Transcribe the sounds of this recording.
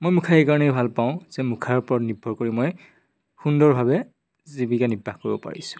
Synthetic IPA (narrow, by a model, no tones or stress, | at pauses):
mojmukʰaejkaɹɔnɛjbʱalpaʊ̃z̥ɛmukʰaɹpɔɹɔtnibʱɔɹkoɹimoj | xundɔɹbʱabɛ | zibikanibʱːaxkoɹibɔpa̰ɹḭsʊ̥̃